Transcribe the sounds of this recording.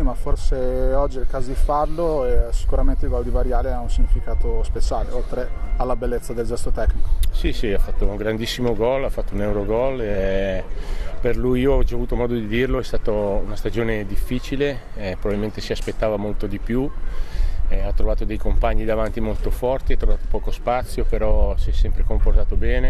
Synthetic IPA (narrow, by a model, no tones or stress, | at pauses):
imaforseɔd͡ʒːiilkaːzifarloɛsi̥kuɾament̪eilɡwɔld̪ivaɾjaːleaunsiɲːifikaːt̪ospet͡ʃaːleolt̪ɾealːabelːet̪sːad̪eld͡ʒɛst̪ot̪ɛknikosisiafːat̪ːouŋɡɾand̪isːimoɡɔlːafːat̪ːounɛwɾoɡɔlɛ | perlujiːoɔd͡ʒaːvuːt̪omɔːd̪od̪id̪irloɛst̪aːt̪ounast̪ad͡ʒoːned̪ifːiːt͡ʃileɛpɾobabilment̪esiaspet̪ːaːvamolt̪od̪ipju | ɛat̪ːɾovaːt̪od̪ejkompaɲːid̪avant̪imolt̪ofɔrt̪iat̪ːɾovaːt̪o̥pɔːkospat̪sːjopeɾɔsiɛsːɛmpɾekomport̪aːt̪obɛːne